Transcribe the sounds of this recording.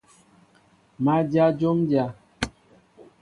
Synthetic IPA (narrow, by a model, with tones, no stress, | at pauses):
ma˦d͡ʒja˦d͡ʒo˦md͡ʒja˦